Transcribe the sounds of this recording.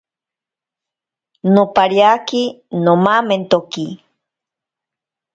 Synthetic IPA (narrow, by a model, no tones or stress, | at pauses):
nopaɾjakinomament̪oki